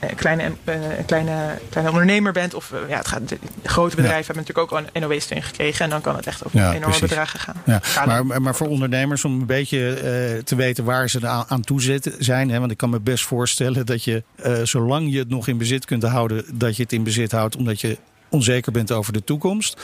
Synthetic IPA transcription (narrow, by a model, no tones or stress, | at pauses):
klɛjnklɛjnəklɛjnəɔndəɹnejməɹbɛntɔfja̰ːə̰tχa̰əχrowtəbədrɛjvəɦɛbənɑtyːləkowkɛnowejstø̰ːnχə̥krejχəɛndɑnkɑ̰nə̰tɛχto̰waḛnɔɹməədraːχəχa̰ːnjamaɹmaːɹfʊːɹɔndəɹnejməɹsɔmənbejcətəʋejtənʋaːɹzəaːntuzɪtzɛjnɦɛʋɑntɪkːɑnməbɛstfʊːɹstɛləndɑcjəz̥owlɑŋjəətnɔχɪnbəzɪtkɵntɦʌwdədɑcjəətɪnbəzɪtɦʌwtɔmdɑtjə | ɔnzejkəɹbɛntowvəɹdətukɔmst